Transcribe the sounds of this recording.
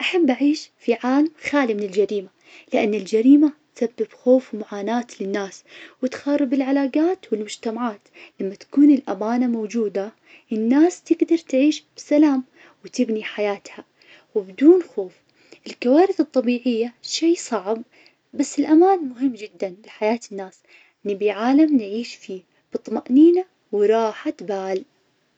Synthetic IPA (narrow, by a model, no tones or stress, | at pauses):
ʔaħabːʔaʕiːʃfiʕaːlamxaːlimɪnɪld͡ʒaɾiːma | lɪʔanːɪld͡ʒaɾiːmat̪sabːɪbxoːfwmaʕaːnaːt̪lɪnːaːswɪt̪xɑrˤːɪbɪlʕalaːɡaːt̪wɪlmʊd͡ʒt̪amaʕaːt̪lamːat̪ḁkuːnɪlʔamaːnamowd͡ʒuːd̪a | ʔɪnːaːst̪ɪɡd̪ɑɾˤt̪ʕiːʃb̥ɪsalaːm | wt̪ɪbniħajaːt̪ha | wɪbd̪uːnxoːf | ʔɪlkawaːɾɪθɨt̪ˤːɑbiːʕɪjːaʃiːsˤɑʕb | basːɪlʔamaːnmʊɦɪmːd͡ʒɪd̪ːanlɪħajaːt̪ɪnːaːs | ʔɪnːibiʕaːlamnʕiːʃfiː | b̥ɨt̪ˤːmaʔniːna | wɾˤɑːħat̪baːl